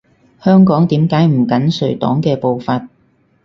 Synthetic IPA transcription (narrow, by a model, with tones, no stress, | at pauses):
hœː˥ŋkɔː˨˥ŋt̪iː˨˥mkaː˨˥jm̩˨˩kɐ˨˥nsɵ˨˩t̪ɔ̰ː˨˥ŋkɛː˧po˨˧wfaː˧t̚